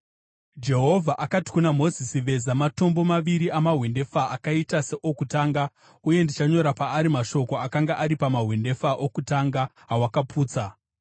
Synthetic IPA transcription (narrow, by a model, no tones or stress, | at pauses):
d͡ʒe̞ɦo̞vʱaʔakati̥kunamo̞zisiʋe̞zamato̞mbo̞maʋiɾiʔamaɦwende̞faakaitase̞ʔokutaːŋɡa | uje̞ndit͡ʃaɲo̞ɾapaːɾimaʃo̞ko̞akaŋɡaʔaɾipamaɦwende̞faʔokutaŋɡaɦawakapuːt͡sa